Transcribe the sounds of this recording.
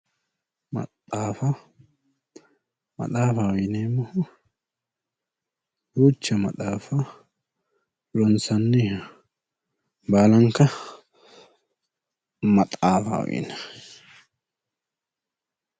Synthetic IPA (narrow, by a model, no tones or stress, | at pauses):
mɐ̰tːaːfɐ | mɐ̰t̪aːfawinemːɔ | juːt͡ʃːɐmɐ̰ᶑ̪aːfɐ | ɾɔnsɐnːɪ | baːlɐŋkɐ | mɐt̪ʼaːfa̰wḭnɛ